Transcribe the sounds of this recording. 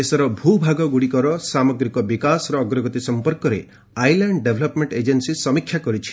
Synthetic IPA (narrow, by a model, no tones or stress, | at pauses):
esɔɾɔbʱubʱaɡɔɡuɽikɔɾɔsamɔɡɾikɔbikasɔɾɔːɡɾɔɡɔt̪isɔmpɔɾkɔɾe | ajlaɳɖɖebʱlɔpmeɳʈed͡ʒensisɔmikʰːjakɔɾit͡ʃʰi̥